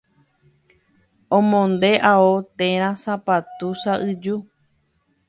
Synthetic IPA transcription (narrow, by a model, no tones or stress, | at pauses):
õmõnd̪e̞ʔaot̪ẽɾ̃ãsapat̪usaʔɨd͡ʒu